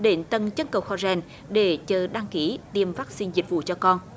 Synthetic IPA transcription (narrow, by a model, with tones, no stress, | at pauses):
ɗe˧˦nt̪ə˨˧˩nt͡ɕə˨˦˥nkə̰˨wxɔ˧˩zɛ˨˩n | ɗe˧˩t͡ɕəː˨˩ɗa˧ŋki˧˩˦t̪i˨˩əmvaː˦˥k̚si˧nzi˨˩k̟̚vṵ˧˨t͡ɕɔ˧kɔ˧n